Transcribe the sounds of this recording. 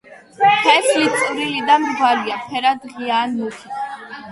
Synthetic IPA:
pʰɛsʰlit̪sʼvɾilid̪amɾɡwaliapʰɛɾad̪ʁiaːnːuχʰi

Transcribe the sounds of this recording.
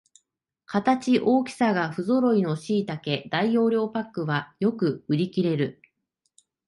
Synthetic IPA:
kat̪at͡ɕiʔo̞ːkʲi̥saɡaɸɯ̟zo̞ɾo̞ino̞ɕiːt̪ake̞d̪aijo̞ːɾʲo̞ːpakːɯ̟βajo̞kɯ̟ɯ̟ɾʲikʲiɾe̞ɾɯ̟

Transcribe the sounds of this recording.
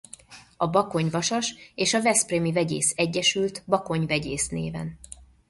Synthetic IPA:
ɒbɒko̞ɲvɒʃɒʃeːʃɒvɛspremivɛɟḛːsɛɟːɛʃylt̪bɒko̞ɲvɛɟeːsnḛːvɛ̰n

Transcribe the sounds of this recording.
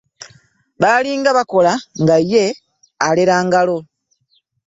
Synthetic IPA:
βaliːŋɡaβako̞laŋɡaje̞ | aleɾaːŋɡalo̞

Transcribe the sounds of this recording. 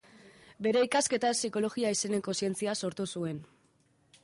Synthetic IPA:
be̞ɾe̞ikaske̞t̪asiko̞lo̞ɣiaise̞ne̞ko̞sie̞nt͡siaso̞ɾt̪usue̞n

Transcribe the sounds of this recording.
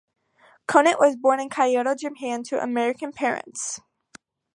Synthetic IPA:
kʰõʊ̃nɨʔwʌzbɔɹnɨ̃nkʰaɪɔɾoʊd͡ʒɨ̃mpʰæ̃ntʰɨʔə̰mɛɹɨkɨ̃npʰɛɹɨ̰̃nts

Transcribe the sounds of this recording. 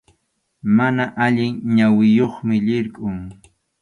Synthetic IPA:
manaʔaʎɪŋɲawɪjoχmɪʎɪɾkʼʊŋ

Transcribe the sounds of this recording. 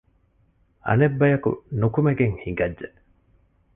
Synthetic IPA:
ɐ̰nebːɐjɐkṵnukumeɡeŋhiŋɡɐdːd͡ʒe

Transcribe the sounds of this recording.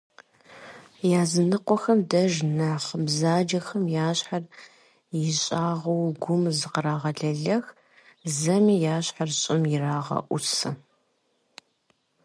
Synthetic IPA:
jaːzɨnɨqʷɔxɐmdɐʒnaχbzaːd͡ʒɐxɐmjaːɕħar | jɪɕʼaːʁɐwɡʷʊmzɨqəɾaːʁɐɮɐɮɐx | zɐmiːjaːɕħarɕʼɪmjɪraːʁɐ̰ʔʷʊsɐ

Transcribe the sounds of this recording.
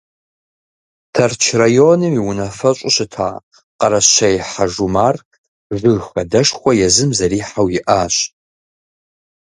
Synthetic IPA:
tʰɐrt͡ʃʰrajoːnɨmiwʊnɐfɐɕʷʼʊɕɨtʰa̰ː | qɐɾɐɕɐjħaʒumaːr | ʐɨxɐdɐʂxʷɔjɛzɨmzɐɾiːħawjɪʔaːɕ

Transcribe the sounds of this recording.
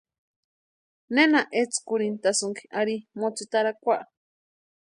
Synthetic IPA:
nenaʔet͡skuɾint̪asuŋki̥aɾimot͡sit̪aɾakʷaʔ

